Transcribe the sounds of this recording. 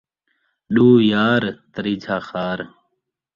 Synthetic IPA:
ɗuːjaːɾt̪əɾiːd͡ʒʱaːxaːɾ

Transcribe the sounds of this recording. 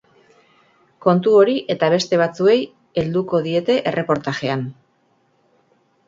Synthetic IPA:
ko̞nt̪uo̞ɾiʔe̞t̪aβ̞e̞st̪e̞β̞at͡sue̞j | e̞ld̪uko̞ðie̞t̪e̞ʔe̞rʔe̞po̞ɾt̪aʝe̞an

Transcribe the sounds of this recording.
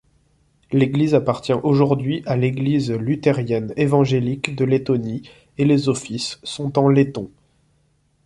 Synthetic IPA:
leɡlizapaʁt̪jɛ̃ʔoʒuʁd̪ɥiʔaleɡlizlyt̪eʁjɛnevɑ̃ʒelikd̪əlet̪ɔni | elezɔfisːɔ̃t̪ɑ̃let̪ɔ̃

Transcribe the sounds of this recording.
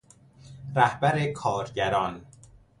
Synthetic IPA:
ɾæhbæɾekʰɒːɾɟæɾɒːn

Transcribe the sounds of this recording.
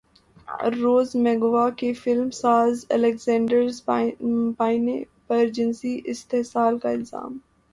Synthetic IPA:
ɾoːzmɛɡʋakefɪlmsaːzɛ̰lɛkzɛ̃ːɳɖəɾz | paːɪne | pɐɾd͡ʒɪnsiʔɪst̪eɦsaːlkaɪlza̰ːm

